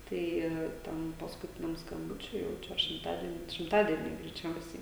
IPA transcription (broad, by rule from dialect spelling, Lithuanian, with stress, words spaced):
ˈtɐɪ ˈtʲɛn pɐskʊˈtʲɪnʲɛm skɐmˈbʊt͡ʃʲʊɪ jɛʊ ˈt͡ʃʲɛ ɐr ʃʲɪmˈtɑːdʲiɛnʲʊɪ ʃʲɪmˈtɑːdʲiɛnʲʊɪ ɡrʲɛɪˈt͡ʃʲɛʊsʲɛɪ